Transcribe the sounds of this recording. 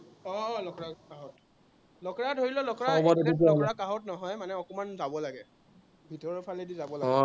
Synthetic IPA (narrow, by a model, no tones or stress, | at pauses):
ɔlɔkɹakaɦɔt | lɔkɔɹadɦoɹilɔlɔkɔɹaɔbɔdekik̬iaɔakaɦɔtnɔɦɔjmanɛɔkɔmanzabɔlaɡɛ | bʱitɔɹɔpʰalɛdizabɔlaɔ